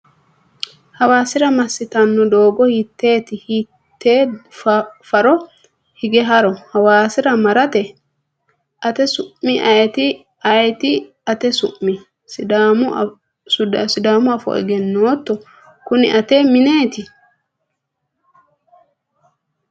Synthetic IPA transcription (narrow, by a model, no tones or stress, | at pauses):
hɐwaːsɪɾɐmɐsːɪt̪ɐnːɔd̪o̞ːɡɔhɪt̪ːe̞ːt̪ɪhi | t̪ːeː | fɐɾɔ | hɪɡɛɦɐɾɔhɐwaːsɪɾɐmɐɾɐt̪ɛ | ʔɐt̪ɛsʊʔmɪʔɐjt̪ɪ | ɐjt̪ɪ | ɐt̪ɛsʊ̰ʔmːɪ | sa | sʊsɪd̪aːmʊɐfɔ̰ʔɛ̰ɡɛnːoːt̪ːɔ | kʊnɪ̰ʔɐt̪eːmɪneːt̪ɪ